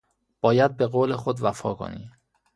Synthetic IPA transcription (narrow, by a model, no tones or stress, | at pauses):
b̥ɒːjæd̪̚be̞ɣoːlexod̪væfɒ̰ːkʰo̰nḭ